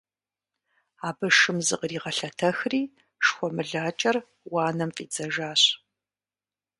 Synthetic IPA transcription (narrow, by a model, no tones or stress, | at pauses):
aːbɨʂɨmzɨ̰qriːʁɐɬɐtʰɐxriː | ʂxʷɔmɨɮaːt͡ʃʼɐr | wɑːnɐmfʼiːt͡sʼɐʒaːɕ